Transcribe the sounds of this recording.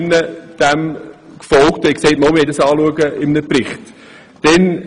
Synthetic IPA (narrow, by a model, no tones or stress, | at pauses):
nːəd̥æmkfɔlktɛkseɪtmɔlmɪɛɪdɑsɑːluəɡəɪmnəpɾɪχt | d̥ɛn